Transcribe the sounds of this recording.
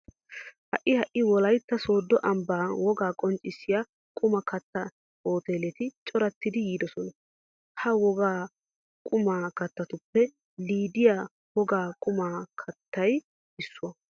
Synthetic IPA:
hɐʔːɪhɐʔɪwɔlɐjt̪ːɐso̞ːd̪ːɔʔɐmbaːwɔɡaːkʼɔnt͡ʃʼɪsːɪja | kʼʊmɐkɐt̪ːɐ | oːt̪e̞ːlɛt̪ɪt͡ʃʼɔɾɐt̪ːɪd̪ɪjiːd̪ɔsɔnɐ | hɐwɔɡaː | kʼʊmaːkɐt̪ːɐt̪ʊpːɛ | liːd̪ɪja | wɔɡaːkʼʊmaːkʰɐt̪ːɐj | ɪsːʊwɐ

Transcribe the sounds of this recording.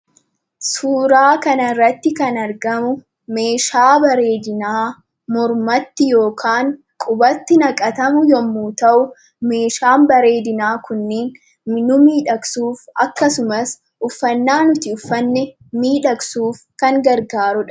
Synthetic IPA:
suːɾaːkɐnɐrːɐt̪ːɪkɐnɐɾɡɐmʊ | me̞ːʃaːbɐɾe̞ːd̪ɪnaː | mɔɾmɐt̪ːɪjo̞ːkʰaːŋ | kʼʊbɐt̪ːɪnɐkʼɐt̪ɐmʊjɔmːuːt̪ɐʔʊ | me̞ːʃaːmbɐɾe̞ːd̪ɪnaːkʊnːiːn | nʊmiːᶑɐksuːfɐkːɐsʊmɐs | ʔʊfːɐnːaːnʊt̪ɪʊfːɐnːɛ | miːᶑɐksuːfkɐŋɡɐɾɡaːɾʊᶑɐ

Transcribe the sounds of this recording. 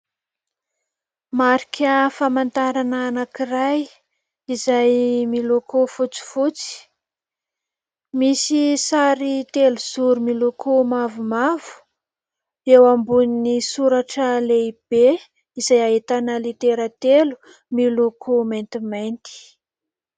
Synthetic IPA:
maɾi̥kʰʲəfamant̪aɾanaːnakiraj | izajmilokufut͡si̥fut͡si̥ | misisaɾit̪eluz̥uɾumilukʰumavumavu̥ | ewambuninisuɾaʈ͡ʂəleib̥e | izajaet̪anəlit̪eɾət̪elu̥ | milukʰumejnt̪imajnt̪i̥

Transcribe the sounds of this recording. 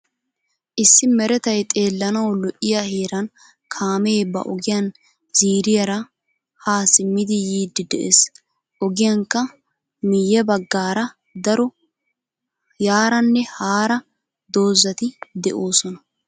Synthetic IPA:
ʔɪsːɪmɛɾɛt̪ɐjt̪ʼe̞ːlːɐnɐwlɔʔɪjaheːɾɐn | kʰaːmeːbɐ̰ʔɔɡɪjɐn | z̥iːɾɪjɐɾɐ | haːsɪmːɪd̪ɪjiːd̪ːɪd̪ɛʔes | ʔɔɡɪjɐŋkːɐ | mɪjɛbɐɡːaːɾɐ | d̪ɐɾɔ | jaːɾɐnːɛhaːɾɐ | d̪o̞ːzːɐt̪ɪd̪ɛ̰ʔoːsɔnɐ

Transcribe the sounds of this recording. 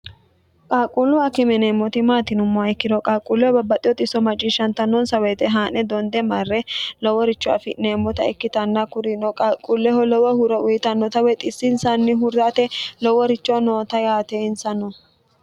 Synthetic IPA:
kʼaːkʼulːʊɐkɪmɛneːmːɔt̪ɪmaːt̪ɪnʊmːɔaɛkːɪd̪ɔkʼaːkʼulːɛɔbɐbːɐt̪ʼɪjɔt̪ɪsːɔmɐt͡ʃʼɪʃɐnt̪ɐnːɔnsɐwɛt̪ɛɦaːnɛd̪ɔnd̪ɛmɐrːɛlɔwɔɾɪt͡ʃːʊa̰fɪ̰neːmːɔt̪ɐɛkːɪt̪ɐnːɐkʊɾɪnɔkʼaːkʼulːɛhɔlɔwɔhʊɾɐʊjɪt̪ɐnːɔt̪ɐwɛt̪ʼɪsːɪnsɐnːɪɦʊɾːat̪ɛlɔwɔɾɪt͡ʃːɔnoːt̪ɐjaːt̪ɛɪnsɐnːɔ

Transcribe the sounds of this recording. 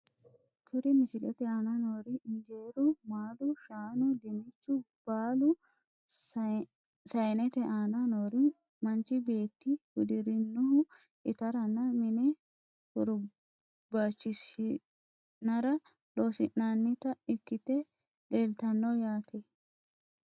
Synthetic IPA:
kʰʊɾɪmɪsɪlɛt̪ɛɐnɐnoːɾɪɪnd͡ʒeːɾʊmaːlʊʃaːnʊd̪ɪnɪt͡ʃːʊ | b̥aːlʊ | sɐjnɛt̪ɛʔaːnɐnoːɾɪ | mɐnt͡ʃːɪbe̞ːt̪ːɪhʊd̪ɪɾɪnːʊhʊ | ɪ̰t̪ɐɾɐnːɐmɪnɛ | hʊɾʊ | bat͡ʃːɪsɪ | nɐɾɐ | loːsɪʔːanːɪt̪ɐɪkːɪt̪ɛ | ᶑeːlt̪ɐnːɔjaːt̪ʰɛ

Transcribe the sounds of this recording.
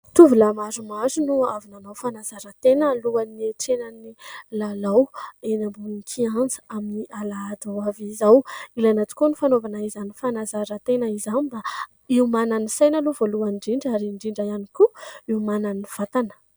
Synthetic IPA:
t̪uvulamaɾumazunuavinanawfanazaɾət̪enəluanieʈ͡ʂenanilalawenambunikʰiand͡zə̥aminiʔalaad̪awavizawilajnat͡s̪i̥kunifanovanaizanifanazaɾət̪enəizaniba | iumananisajnaluvoluaɳɖ͡ʐiɳɖ͡ʐaɾiɳɖ͡ʐiɳɖ͡ʐajanikuiumananiv̥at̪anə̥

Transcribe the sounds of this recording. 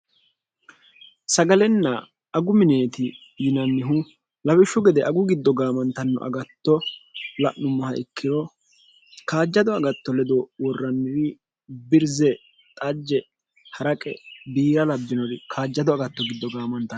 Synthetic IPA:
sɐɡɐlɛnːɐ | ɐɡʊmɪne̞ːt̪ɪ | jɪnɐnːɪɦʊ | lɐwɪʃːʊɡɛd̪ɛʔɐɡʊɡɪd̪ːɔɡaːmɐnt̪ɐnːɔ̰ʔɐ̰ɡɐt̪ːɔlɐʔːʊmːɐhɐʔɪkʰːɪɾɔ | kaːd͡ʒːɐd̪ɔɐɡɐt̪ːɔlɛd̪ɔwɔrːɐnːɪɾɪ | bɪɾzɛ | t̪ʼɐd͡ʒːɛ | hɐɾɐkʼɛ̰biːɾɐlɐbːɪnɔɾɪkʰaːd͡ʒːɐd̪ɔɐɡɐt̪ːɔɡɪd̪ːɔɡaːmɐnt̪ːɐn

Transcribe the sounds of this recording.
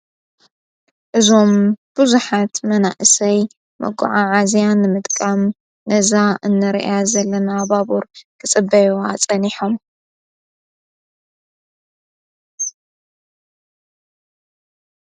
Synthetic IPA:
ʔɨzo̞mb̥ɨzuħat̪mɐnaʔɨsɐj | mɐ̰ɡʊ̰ʕaʕazijanːɨmɨt̪ʼkʼam | nɐzaʔɨnːɐɾʔazɐlːɐnabaβuɾkʰɨt͡sʼɨbːɐjoa̰t͡sʼɐniħom

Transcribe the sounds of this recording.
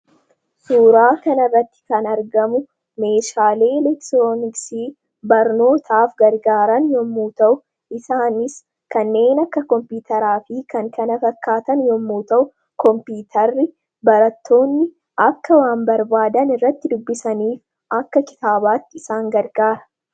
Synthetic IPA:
suːɾaːkɐnɐrːɐt̪ːɪ̥kɐnɐɾɡɐmʊ | me̞ːʃaːle̞ːlɛkt̪ɾoːnɪksiː | bɐɾno̞ːt̪ʰaːfɡɐɾɡaːɾɐnjɔmːuːt̪ɐʔʊ | ʔɪsaːnɪs | kɐnːe̞ːnɐkːɐkɔmpiːt̪ɐɾaːfɪkɐŋkɐnɐfɐkʰːaːt̪ɐnjɔmːuːt̪ɐʔʊ | kɔmpiːt̪ʰɐrːɪ | bɐɾɐt̪ːo̞ːnːɪ | ʔɐkːɐwaːmbɐɾbaːd̪ɐnɪrːɐt̪ːɪd̪ʊbːɪsɐniːf | ɐkːɐkɪ̥t̪aːbaːt̪ːɪɪsaːŋɡɐɾɡaːɾɐ̥

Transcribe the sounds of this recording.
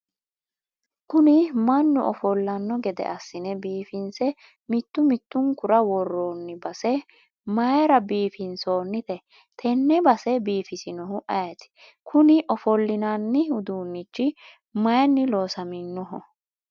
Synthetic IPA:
kʊnɪmɐnːʊʔɔfɔlːɐnːɔɡɛd̪ɛ̰ʔɐsːɪnɛbiːfɪnsɛ | mɪt̪ːʊmɪt̪ːʊŋkʊɾɐwɔrːoːnːɪbɐsɛ | mɐjɾɐbiːfɪnso̞ːnːɪt̪ɛ | t̪ʰɛnːɛbɐsɛbiːfɪsɪnɔɦʊʔɐjɐt̪ɪ̥ | kʰʊnɪʔɔfɔlːɪnaːnːɪhʊd̪uːnːɪt͡ʃːɪ | mɐjnːɪlo̞ːsɐmɪnːɔɦɔ

